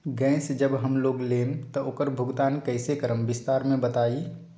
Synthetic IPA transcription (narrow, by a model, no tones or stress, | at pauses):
ɡɛ̃ːsd͡ʒəbɦəmloːɡleːnt̪ɔoːkəɾbʱʊɡd̪aːnkəɪsekəɾəmbɪst̪aːɾmẽbət̪aːi